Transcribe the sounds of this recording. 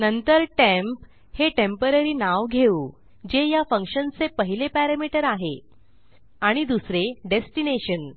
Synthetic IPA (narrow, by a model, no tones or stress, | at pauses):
nənt̪əɾʈæ̃mp | heʈempəɾəɾiːnaʋɡʱeuː | d͡ʑejafəŋkɕənt͡sepəɦilepæɾamiʈəɾaɦḛ | aɽ̃id̪usɾeɖesʈineɕən